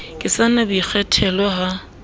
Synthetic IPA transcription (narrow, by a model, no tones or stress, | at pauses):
kʼɪsanabik͡xʰɛtʰɛlɔɦa